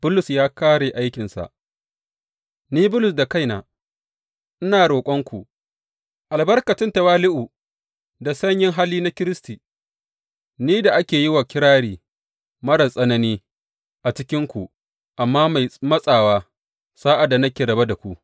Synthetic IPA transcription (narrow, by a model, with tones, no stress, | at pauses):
b̥ʊ˦lʊ˨sjaː˦kaː˦ɽeː˨ʔa˦jkʲɪ˨nsa̰˨ʔ | niː˦bʊ˦lʊ˨s̬da˨ka˦jnaː˨ | ʔɪ˦naː˨ɽoː˨kʷʼɔ˦ŋkʷu˨ | ʔa˨lbɐ˦rkɐ˨tɪ˦ntɐ˨waː˦lɪ˦ʔu˨ | da˨sɐ˦ɲjɪ˦ŋɦa˦lːiː˦na˦kʲɪ˦ɾɪ˦stiː˨ | niː˦da˨ʔa˦kʲeː˨ji˦waː˨kʲɪ˦ɽaː˦ɽiː˦ | mɐ˦ɾɐ˨sʼɐ˦nɐ˦niː˦ | ʔa˨t͡ʃɪ˦kʲɪ˦ŋkʷu˨ʔ | ʔa˨mːaː˦ma˨jmɐ˦sʼaː˨waː˦ | saː˦ʔa˨da˨nɐ˦kʲeː˨ɾɐ˨ba˦da˨kʷu˦ʔ